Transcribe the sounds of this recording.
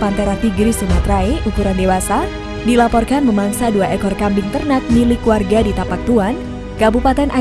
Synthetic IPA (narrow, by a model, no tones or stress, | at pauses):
pant̪ɛɾaht̪iɡɾisumat̪raeʔukuɾandewasa | dilapɔrkanməmaŋsaduaʔɛkɔrkambiŋt̪ərnat̪̚milɪkːuarɡadit̪apak̚t̪uan | kabupat̪ɛnʔa